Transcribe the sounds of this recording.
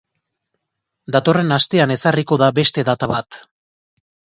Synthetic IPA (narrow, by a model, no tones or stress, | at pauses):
d̪at̪o̞re̞nast̪e̞ane̞sariko̞ðabe̞st̪e̞ðat̪aβat̪